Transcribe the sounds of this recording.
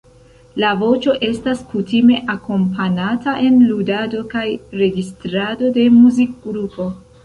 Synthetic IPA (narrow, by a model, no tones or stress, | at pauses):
lavo̞t͡ʃo̞ʔe̞staskutime̞ʔako̞mpʰanataʔe̞nludado̞kajɾe̞ɡistɾado̞de̞muzik̚ɡɾupo̞